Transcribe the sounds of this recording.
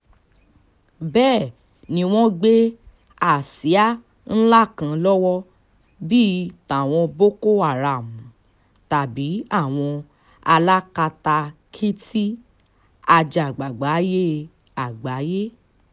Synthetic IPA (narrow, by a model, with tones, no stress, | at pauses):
bɛː˦˨ | nĩ˧w̃ɔ̃˦ɡ͡be˦ | a˨si˨˦a˦ | n̩˦la˦˨kã˧˦lɔ˦wɔ˦ | bi˦ta˨w̃ɔ̃˧bo˦ko˦a˨ɾa˨mũ˨ | ta˨bi˨˦a˦˨w̃ɔ̃˧ | a˧la˦ka˧ta˧kʰi˦ti˦ | a˧d͡ʒa˨ɡ͡ba˨ɡ͡ba˨˦je˦ | a˨ɡ͡ba˨˦je˦